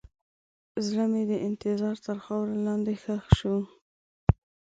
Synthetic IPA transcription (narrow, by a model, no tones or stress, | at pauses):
zlamed̪əʔɪnt̪ɪzɑɾt̪əɾxɑwɾelɑnd̪exəxʃu